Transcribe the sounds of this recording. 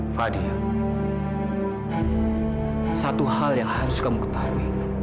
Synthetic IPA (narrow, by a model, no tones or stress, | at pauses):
fadia | sat̪uhaljaŋhaɾʊskamukə̥t̪aui